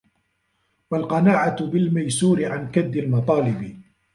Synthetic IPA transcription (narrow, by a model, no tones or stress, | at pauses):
walqɑnaːʕabɪlmajsuːɾɪʕankad̪ːalmɑt̪ˤɑːlɪbɪ